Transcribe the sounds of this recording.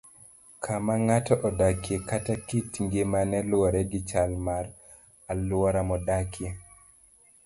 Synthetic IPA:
kʰamaŋatɔʔɔdakjekatakitŋɡemanɛlwɔɾɛɡɪt͡ʃalmar | alwɔɾamɔdakʰje

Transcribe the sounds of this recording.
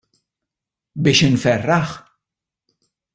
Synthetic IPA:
bɪːʃɪnfɛrːɐħ

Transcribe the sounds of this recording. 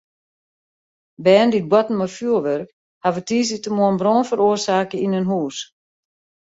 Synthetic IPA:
bɛːndit̚bwɔtn̩mɔfjuəlʋœrk | haʋətiːs̬ətəmoənbroːnfəɾoərsaːkəinønɦuːs

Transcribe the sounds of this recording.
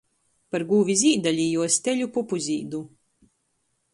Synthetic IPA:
paɾɡuːvʲiziːd̪alʲiːjuɔst̪ʲeʎʲupupuzʲiːd̪u

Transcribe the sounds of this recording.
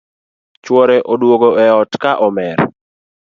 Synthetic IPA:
t͡ʃwɔɾeʔodwoɡoɛɔtkaʔɔmɛr

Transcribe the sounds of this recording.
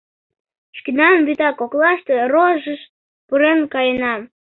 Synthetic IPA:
ʃkinɑmbyt̪ɑkoklɑʃt̪eroʒəʃ | pɨɾenkɑjənɑm

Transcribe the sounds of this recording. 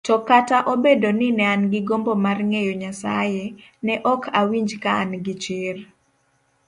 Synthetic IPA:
tɔkataʔobedonɪnɛanɡɪɡombomarŋejoɲasa̰jenɛʔɔkʰawiɲd͡ʒkaːnɡɪt͡ʃɪr

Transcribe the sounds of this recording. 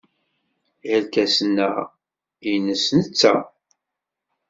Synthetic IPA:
əlkæsənːæ | inəsnət͡sːæ̰

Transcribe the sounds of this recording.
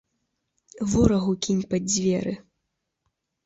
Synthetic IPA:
vɔɾɐɣukʲinʲpɐd͡zʲvʲɛɾɨ

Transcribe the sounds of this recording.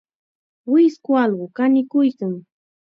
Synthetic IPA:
wɪskʊɑlɢʊkanɪkʊjkaŋ

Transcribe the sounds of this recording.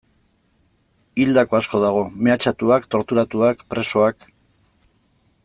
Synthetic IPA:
ild̪ako̞asko̞ðaɣ̞o̞me̞at͡ʃat̪uakt̪o̞ɾt̪uɾat̪uakpɾe̞so̞ak

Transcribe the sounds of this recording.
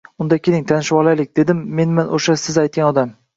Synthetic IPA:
ʊnd̪akʲʰeɪŋt̪ʰanɪʃwɒlˠajlɪkʲd̪e̞d̪ɪmːe̞nmanʔoʃasɪzajt̪̚kʲanɒd̪am

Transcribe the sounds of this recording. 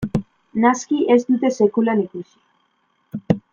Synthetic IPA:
naskiʔe̞zd̪ut̪e̞se̞kulanikusi̥

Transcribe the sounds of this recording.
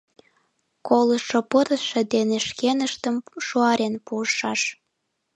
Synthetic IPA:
koləʃopəɾəʃed̪eneʃkenəʃt̪əmʃuɑɾenpuəʃɑʃ

